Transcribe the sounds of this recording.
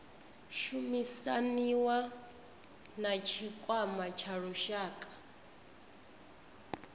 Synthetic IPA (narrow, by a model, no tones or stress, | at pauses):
ʃumisaniwa | nat͡ʃʰikʼwamat͡ʃʰaɺuʃaːkʼḁ